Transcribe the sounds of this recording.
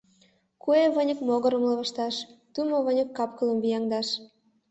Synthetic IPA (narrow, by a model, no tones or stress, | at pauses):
kueβənʲə̆kmoɣɤ̆ɾə̆mlɤ̆βə̆ʃt̪ɑʃt̪umoβə̆nʲə̆kːɑpkɤ̆lə̆mvijɑŋd̪ɑʃ